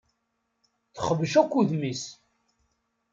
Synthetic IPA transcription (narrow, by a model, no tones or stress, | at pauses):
θəχəvʃækʷːuðmis